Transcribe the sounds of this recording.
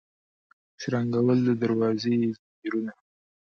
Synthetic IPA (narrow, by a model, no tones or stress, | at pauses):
ʃɾaŋɡawəld̪əd̪aɾwɑzez | iɾuna